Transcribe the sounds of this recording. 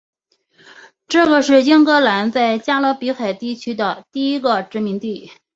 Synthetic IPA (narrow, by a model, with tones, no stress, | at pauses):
ʈ͡ʂɤ˥˩ɡə˩ʂɻ̩˥˩jɛ˥ŋkɤ˧˥la˧˥nt͡sa˥˩ɪt͡ɕja˥lɤ˧˥pi˧˥xa˨˩ɪt̪i˥˩t͡ɕʰy˥d̪ə˨t̪i˥˩i˥ɡə˧ʈ͡ʂɻ̩˧˥mi˧˥ŋt̪i˥˩